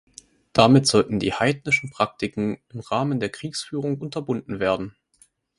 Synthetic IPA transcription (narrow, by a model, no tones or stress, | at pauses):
d̥amɪtz̥ɔltn̩dḭːhaɪdnɪʃn̩pʁ̥ak̚tɪkŋ̩ɪmʁaːməndeːɐkʁ̥iːksfyːʁ̞ʊŋʔʊntɐbʊndn̩veːɐdn̩